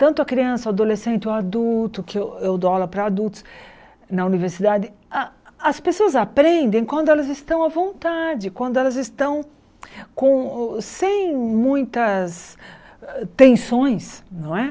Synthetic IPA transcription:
t̪ɐ̃nt̪ʊɐkɾiɐ̃sɐad̪olesẽnt̪ɪoad̪ult̪ʊkɪewewd̪ɔlɐpɾɐad̪uwt̪ʊ̥s | nɐuniveɾsid̪ad͡ʒɪaɐspesoɐzapɾẽnd̪ẽj̃kwɐ̃nd̪ʊɛlɐzɪst̪ɐ̃w̃ɐvõnt̪ad͡ʒɪkwɐ̃nd̪ʊɛlɐzɪst̪ɐ̃w̃ | kõsẽj̃mũj̃t̪ɐs | t̪ẽsõj̃snɐ̃w̃ɛ

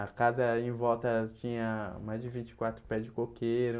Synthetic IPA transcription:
ɐkazɐẽvɔwt̪ɐt͡ʃĩɲɐmajzd͡ʒɪvĩnt͡ʃɪ̥kwat̪ɾʊpɛd͡ʒɪkokeɾʊ

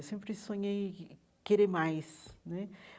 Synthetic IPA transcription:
wsẽmpɾɪsõɲej | keɾemajsnɛ

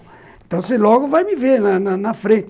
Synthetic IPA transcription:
ẽnt̪ɐ̃w̃selɔɡʊvajmɪveɾnɐnɐnɐfɾẽnt͡ʃ̪

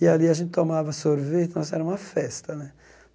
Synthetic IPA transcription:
ialiaʃint̪ɔmaːvasoɾvit̪nɔsɛɾamafːɛst̪anɛ

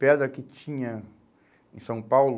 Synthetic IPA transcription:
pɛd̪ɾɐkɪt͡ʃĩɲɐ | ẽsɐ̃w̃pawl

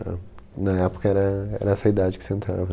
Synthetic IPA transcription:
a̰ | nɐɛpo̥kɐɛɾɐɛ̰ɾɐɛsɐid̪ad͡ʒɪkɪ̥seẽnt̪ɾa̰vɐ

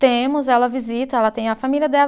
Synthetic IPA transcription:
t̪ẽmʊzɛlɐvizit̪ɐɛlɐt̪ẽj̃ɐfamiliɐd̪ɛl

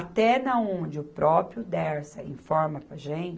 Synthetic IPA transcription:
at̪ɛnɐõd͡ʒɪʊpɾʔɔpɾjʊd̪ɛɾsɐḭ̃fɔɾmɐpɾɐʒẽt͡ʃ

